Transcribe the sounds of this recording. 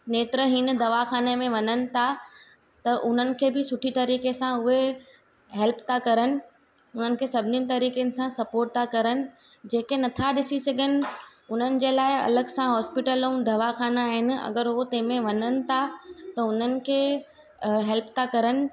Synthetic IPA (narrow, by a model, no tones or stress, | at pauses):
neːt̪ɾəɦinə̆d̪ɐʋaxaːnemẽʋɐɲənɪ̆t̪ʰa | t̪ɐʔʊn̤ənɪ̆kʰeːbɪsʊʈʰit̪ɐɾiːkesãʊɦe | ɦɛlpt̪ʰakɐɾənɪ̆ | ʊn̤ənɪ̆kʰeːsɐbʱɪninɪ̆t̪ɐɾiːkenɪ̆sãsɐpoːɾʈ̚t̪ʰakɐɾənɪ̆ | d͡ʑeːkenɐt̪ʰaɗɪsisɐɡʱənɪ̆ʊn̤ənɪ̆d͡ʑeːlaːɪɐ̰ləɡsãɦɔːspɪʈəlõd̪ɐʋaxaːnaaːɦɪnɪ̆ɐ̰ɡəɾɦot̪ɐ̃ɦmẽʋɐɲənɪ̆t̪ʰat̪ɐʊn̤ənɪ̆kʰeː | ɦɛlpt̪ʰakɐɾənɪ̆